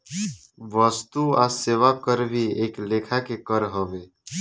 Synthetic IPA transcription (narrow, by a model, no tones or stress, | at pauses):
ʋəst̪uaseːʋakəɾbʱieːkleːkʰakekəɾɦəʋeː